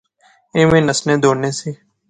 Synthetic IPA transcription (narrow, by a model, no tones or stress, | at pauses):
ẽːmẽːnəsnẽːd̪ʱoːnẽːsiː